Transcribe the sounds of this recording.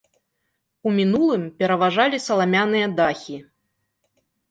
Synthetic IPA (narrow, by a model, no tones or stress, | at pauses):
umʲin̪ulˠɨmpʲɛɾɐvaʐalʲisɐlˠamʲanɨjɐd̪axʲi